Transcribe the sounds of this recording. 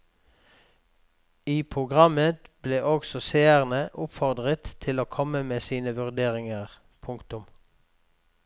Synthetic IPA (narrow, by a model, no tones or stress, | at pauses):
iːpʰʁʊɡʁɑmət̪b̥leːʔɔɡsɔseːəʁnəʔʊpfɔʁd̪ʁət̪ʰɪloːkʰɔməmeːsiːnəʋʉʁd̪eːʁɪŋəʁ | pʰʊŋkt̪ʊm